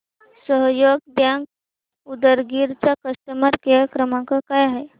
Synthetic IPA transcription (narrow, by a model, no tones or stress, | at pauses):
səɦjoɡ̚b̪jãŋk̚ | ud̪əɾɡiɾt͡ɕakəst̪əmaɾkeakɾəmãkakajaɦe